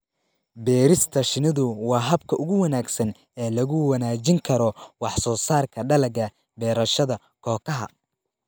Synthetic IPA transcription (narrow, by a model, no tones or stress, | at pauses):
bɛːɾɪst̪ʰɐʃɪnɐðʊwɑːɦɐbkʰɐʔʊɣʊwɐnaːɡsɐn | ɛːlɐɣʊwɐnaːt͡ʃɪŋkʰɐɾɔwɑħsɔːsaːrkʰɐɖɐlɐɣɐ | bɛːɾɐʃɐðɐ | kʰɔːkʰɐɦɐ̰